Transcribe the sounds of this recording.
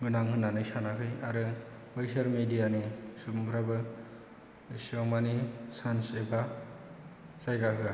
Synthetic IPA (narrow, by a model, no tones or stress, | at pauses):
ɡɯnaŋhɯnanɯjsanakʰɯjaɾɯ | bajsaɾmidijanisubmpʰɾabɯ | siɔmanisanseba | zajɾakɯɡa